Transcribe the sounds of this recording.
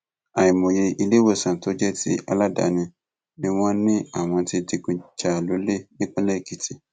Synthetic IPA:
a˨ĩ˨mõ˨je˧i˧le˦wo˦˨sã˨to˦d͡ʒɛ˦ti˦a˧la˦da̰˨˦nĩ˧ | nĩ˦w̃ɔ̃˦nĩ˦a˦˨w̃ɔ̃˧ti˦di˧kũ˧d͡ʒa˦˨lo˨˦le˦˨nĩ˦k͡pũ˦lɛ˦˨ki˨ti˨˦

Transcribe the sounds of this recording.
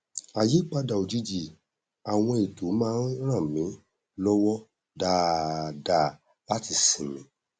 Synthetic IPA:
a˨je˨˦k͡pa˧da˨o˨d͡ʒi˧d͡ʒi˨ | a˨w̃ɔ̃˧e˨to˨˦mãː˦ɾ̃ã˦˨mĩ˨˦ | lɔ˦wɔ˦ | da˨da˨ | la˦ti˧sĩ˨mĩ˨˦

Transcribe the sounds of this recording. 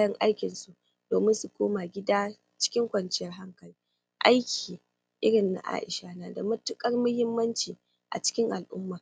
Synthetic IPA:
jɐ˦ŋʔa˦jkʲɪ˨nsu˦ | d̥oː˨mɪ˦nsu˨kʷoː˦ma˨ɡʲɪ˦daː˦ | t͡ʃɪ̥˦kʲɪ˦ŋkʷɐ˨nt͡ʃɪ˦jɐ˦rɦa˦ŋkɐ˨liː˦ | ʔa˦jkʲʰiː˨ | ʔɪ˦ɽɪ˨nːa̰˨ʔa̰ː˦ʔɪ˨ʃa˦naː˨da˨mɐ˦tʊ˦kʼɐ˦rmʊ˦hɪ˦mːɐ˦nt͡ʃiː˨ | ʔa̰˨t͡ʃɪ̥˦kʲɪ˦ŋʔa˨lʔʊ̰˦mːaː˨

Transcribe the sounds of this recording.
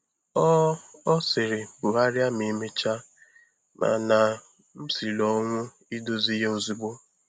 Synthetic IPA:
ɔ˦ɔ˦sɪ˨ɾɪ˨bʊ˨a˦ɾja˦mi˦me˦t͡ʃa˦ | na̰˨na˨ | m̩˦si˨lɔ˦ŋʷʊ˦ | i˦do˦zi˦ɦe˦o˨zi˦ɡ͡bo˦

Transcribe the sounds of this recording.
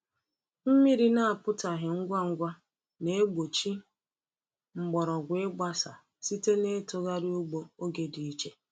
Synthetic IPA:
m̩˦mi˦ɾi˦na˦a˨pʊ˦ta˨ɦɪ˨ŋ̩˦ɡʷa˦ŋ̩˦ɡʷa˦ | ne˦ɡ͡bo˨t͡ʃi˦ | ŋ͡m̩˨ɡ͡bɔ˨ɾɔ˨ɡʷɪ˦ɡ͡ba˦sa˨ | si˦te˦ne˦tʊ˦ɣa˦ɾi˦u˦ɡ͡bo˦o˦ɡe˦di˨i˦t͡ʃe˦

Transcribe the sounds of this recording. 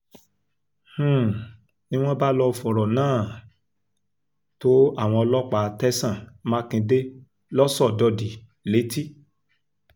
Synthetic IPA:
h̩˦˨ | nĩ˦w̃ɔ̃˦ba˦lɔ˧˨fɔ˨ɾɔ˨nãː˦˨ | to˦a˦˨w̃ɔ̃˧ɔ˧lɔ˦k͡pa˨tɛ˦sã˦˨mã˦kĩ˧de˦ | lɔ˦sɔ˦˨dɔ˧˨di˨ | le˨˦ti˦

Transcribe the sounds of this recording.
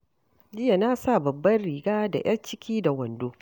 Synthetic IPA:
d͡ʒɪ˦ja˨na˦sa˦˨bɐ˨bːɐ˦nɽiː˨ɡaː˦da̰˨j̰ʔɐ˦nt͡ʃɪ˦kʲʰiː˦da˨wɐ˨ndoː˦

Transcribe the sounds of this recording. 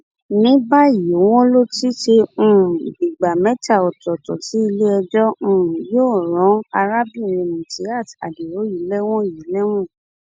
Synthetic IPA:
nĩ˨˦ba˦˨i˨o˨˦w̃ɔ̃˦lo˦ti˦ʃe˧ũ˦˨bi˨ɡ͡ba˨mɛ̃˨˦ta˦˨ɔ˨tɔ˨tɔ˨ti˨˦i˧le˦ɛ˧d͡ʒɔ˦ũ˦˨joː˦˨ɾɔ̃˨˦a˧ɾa˦bĩ˦˨ɾẽ˧mĩ˨ti˨˦a˦˨ta̰˨de˨ɾo˨˦ji˨˦lɛ˦w̃ɔ̃˦ji˨˦lɛ˦w̃ɔ̃˦˨

